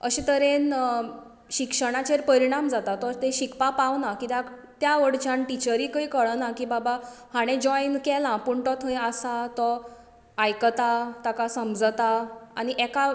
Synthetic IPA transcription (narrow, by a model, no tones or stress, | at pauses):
əɕit̪əɾen | ɕikʂəɽ̃at͡ɕeɾpəɾiɽ̃amd͡zat̪at̪ɔɾt̪eɕikpapaʋnakit̪ak | t̪jaʋəɽt͡ɕanʈit͡ɕəɾiːkəikəɭənakiːbabahaɽ̃ẽd͡ʑɔjnkɛlãpuɳʈɔt̪ɦəjəsat̪ɔ | ajkət̪at̪akasəmd͡zət̪aaɽ̃iʔɛka